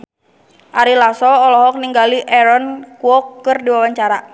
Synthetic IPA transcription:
ʔaɾilasɔːlɔɦɔk̚niŋɡaliʔɛɾɔnkuɔkːɨrdiwawaɲt͡ʃaɾa

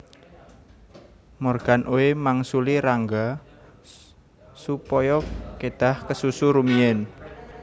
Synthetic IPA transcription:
mɔrɡ̥a̤nʔowemaŋsuliɾaŋɡa | supɔjɔked̪̥a̤hkəsusuɾumiɛn

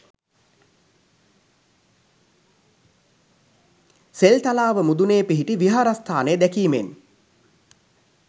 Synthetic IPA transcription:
selt̪alaːʋəmud̪uneːpiɦiʈiʋiɦaɾast̪ʰaːnejəd̪ækiːmen

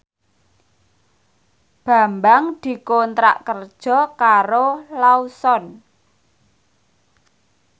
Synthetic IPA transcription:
b̥a̤mbaŋd̪̥i̤kont̪ɾa̰ʔkərd̥ʒ̥ɔ̤kaɾolausɔn

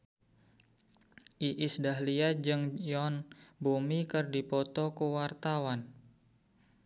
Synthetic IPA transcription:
ʔiʔisdaɦliad͡ʒɨŋjɔnbumikɨrdipɔt̪ɔkuwart̪awan

